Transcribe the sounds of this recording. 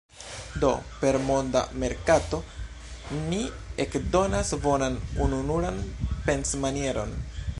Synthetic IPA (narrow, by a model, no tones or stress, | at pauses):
do̞̰pe̞ɾmo̞nda̰me̞ɾkato̞ | ni | ekdo̞nasvo̞nanununuɾanpe̞nsmanie̞ɾo̞̰n